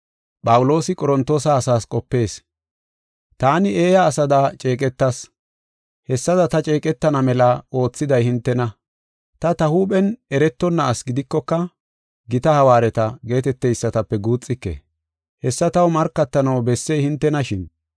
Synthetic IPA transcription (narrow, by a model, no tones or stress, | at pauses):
pʼɐwʊlo̞ːsɪkʼɔɾɔnt̪ːo̞ːsɐːsaːskʼɔpːe̞ːs | t̪aːnɪe̞ːjɐːsɐd̪at͡ʃʼe̞ːkʼɛt̪ːɐs | hɛsːɐd̪ɐt̪ɐt͡ʃʼe̞ːkʼɛt̪ːɐnɐmɛlɐo̞ːt͡sːɪd̪ɐjhɪnt̪ːɛnɐ | t̪ɐt̪ɐhuːpʼɛnɛɾɛt̪ːɔnːɐːsɡɪd̪ɪkːɔkːɐ | ɡɪt̪ɐhɐwaːɾɛt̪ɐɡe̞ːt̪ɛt̪ːɛjsːɐt̪ɐpːɛɡuːt͡sʼːɪkːḛ | hɛsːɐt̪ɐwmɐɾkːɐt̪ːɐnɐwbɛsːɛjhɪnt̪ːɛnɐʃɪn